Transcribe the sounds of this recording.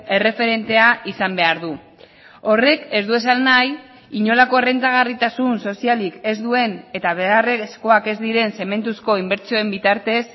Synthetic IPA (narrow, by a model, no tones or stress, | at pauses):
e̞re̞fe̞ɾe̞nt̪e̞aʔisambe̞aɾðu | o̞re̞ke̞zd̪ue̞sanːaj | iɲo̞lako̞ere̞nt̪aɣ̞arit̪asunso̞sialike̞zd̪ue̞ne̞t̪aβ̞earesko̞ake̞zd̪iɾe̞nse̞me̞nt̪usko̞imbe̞ɾt͡sio̞e̞mbit̪aɾt̪e̞s